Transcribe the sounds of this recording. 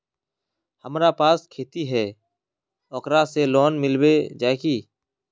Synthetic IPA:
həmɾaːpaːskʰeːt̪iːɦɛː | ɔːkɾaseːloːnmɪlbeːd͡ʒaːekiː

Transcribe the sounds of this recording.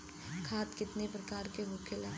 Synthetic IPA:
kʰaːt̪kɪt̪nepɾɐkaːɾkeɦʊkʰela

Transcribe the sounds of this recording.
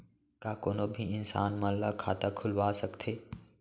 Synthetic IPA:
kaːkoːnoːbʱiɪnsaːnmalːakʰaːt̪akʰʊlʋaːsəkt̪ʰeː

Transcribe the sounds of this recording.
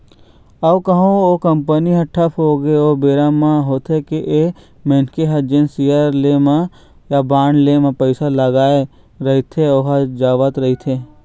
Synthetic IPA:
ɐʋkəɦõokəmpəniɦɐ̃ʈʰəpʰɦoːɡeobeːɾamãɦoːt̪ʰekeʔe | meːnkeɦɐd͡ʒensijaɾlema | jabaːɳlemãpəɪsaləɡaːe | ɾɐɦit̪ʰeoɦad͡ʒaːʋət̪ɾɐɦit̪ʰe

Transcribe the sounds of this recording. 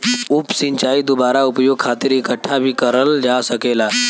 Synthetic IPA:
ʊpsɪ̃ɲt͡ʃaːid̪obaːɾaʊpjoːɡ̚kʰaːt̪ɪɾɪkəʈʰːabʱikɐɾəld͡ʒaːsɐkeːlaː

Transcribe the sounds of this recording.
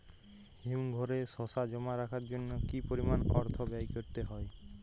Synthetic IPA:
himɡʱɔɾesɔsad͡ʑɔmaɾakʰaɾd͡ʑonːokipoɾimanɔɾt̪ʰobajkoɾt̪eɦɔe

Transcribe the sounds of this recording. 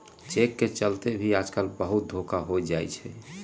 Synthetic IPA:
t͡ʃekːet͡ʃəlt̪ebʱiad͡ʒkəlbəɦut̪̚d̪ʱokaɦojd͡ʒajt͡ʃʰɛ

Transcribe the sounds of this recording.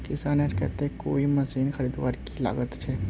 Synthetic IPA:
kɪsaːnɐɾkɛ̰ɦt̪eɦɛ̃ko̰ːimɐsiːnxɐɾiːd̪ʋaːɾkila̰ːɡət̪t͡ʃʰɛː

